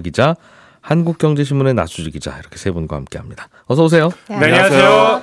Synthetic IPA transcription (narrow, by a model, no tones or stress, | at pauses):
ɡid͡ʑa | hanɡuk̚k͈jʌŋd͡ʑe̞ɕ̬ʰimunena̰sʰud͡ʑiɡid͡ʑa̰iɾʌkʰe̞̥sʰebunɡwahamk͈e̞ɦamɲid̥ḁ | ʌsʰʌos̬ʰe̞joeso